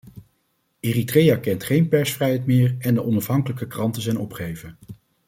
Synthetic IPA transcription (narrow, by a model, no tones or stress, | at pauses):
eːritrejakɛntχejnpɛɹsfrɛjɦɛjtmɪːɹɛndəʔɔnɑfɦɑŋkələkəkrɑntəzɛjnɔpχejvən